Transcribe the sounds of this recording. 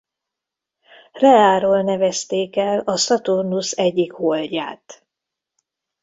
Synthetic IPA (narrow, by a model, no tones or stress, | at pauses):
rɛaːroːlnɛvɛst̪eːkɛlɒsɒt̪urnusɛɟːikholɟa̰ːt̪